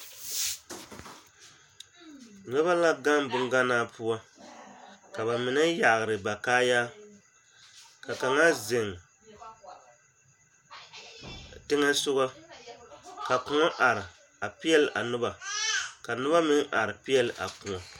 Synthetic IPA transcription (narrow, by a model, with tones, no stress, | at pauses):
nɛ˦βa˦la˦ɡa˦mbʊ˦ŋ˦ɡa˦naː˦pu˦a˦ | ka˨ba˨mɪ˨nɨ˦ja˨ɣɨ˨ɾɨ˨ba˨kaː˦ja˦ | ka˨ka˨ŋa˦zɪ˨ŋ | tɨ˦ŋɛ˦sʊ˦ɣa˦ | ka˨kʊ˦ŋɔ˦ʔa˨ɾɪ˨ | a˨pi˦ɛ˦lʔa˨nʊ˦ba˨ka˨nʊ˦ba˦mɨ˦ŋ˦ʔa˨ɾɨ˨pi˦ɛ˦lʔa̰˨ku˨ŋa˨